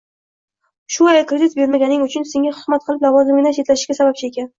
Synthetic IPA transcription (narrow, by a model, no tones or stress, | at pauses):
ʃʊajkɾed̪ɪt̪be̞ɾmaɡʲanɪŋʊt͡ʃʰʊnse̞ŋʲahʊzmat̪̚qʰɨlˠɪplavɒzɪmɪɪnat͡ʃʰe̞t̪laʃɪʃkʲasabap̚t͡ʃʰɪe̞kʲan